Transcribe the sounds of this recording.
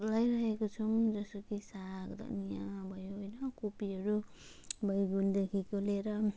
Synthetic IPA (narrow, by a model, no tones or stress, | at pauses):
lʌjɾʌɦekot͡sʰʌmd͡zʌsokisakd̪ʌ̰nijãbʱʌjoɦojnʌkupiɦʌɾu | bʱʌjɡund̪ekʰikoleɾʌ